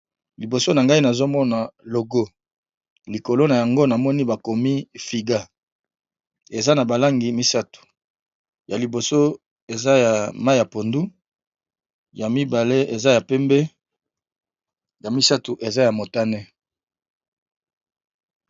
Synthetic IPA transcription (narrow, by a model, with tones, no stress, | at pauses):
li˨bo˨so˦na˨ŋɡa˦i˦na˨zo˦mɔ˦na˨lo˨ɡo˦ | li˨ko˨lo˦na˨ja˨ŋɡo˦na˨mɔ˦ni˦ba˨ko˨mi˦fi˨ɡa˦ | e˨za˦na˨ba˨la˦ŋɡi˨mi˦sa˦tu̥˨ | ja˨li˨bo˨so˦ | e˨za˦ja˨ma˦ja˨po˨ndu˦ | ja˨mi˦ba˨le˦e˨za˦ja˨pɛ˦mbɛ˦ | ja˨mi˦sa˦tu˨ʔe˨za˦ja˨mo˨ta˦nɛ˦